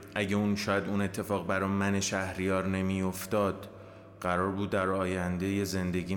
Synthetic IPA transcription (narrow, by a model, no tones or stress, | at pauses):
ʔæɟeunʃɒːjæd̪uːne̞t̪ʰːe̞fɒːɣbæɾɒːmæneʃæhɾijɒːɾne̞mijo̞ft̪ɒːd̪̥ | ɢæɾɒːɾbuːd̪ːæɾɒːjænd̪e̞jeze̞nd̪e̞ɟiː